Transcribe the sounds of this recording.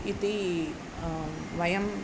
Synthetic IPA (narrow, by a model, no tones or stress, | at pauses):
it̪i | ʋɐjɐm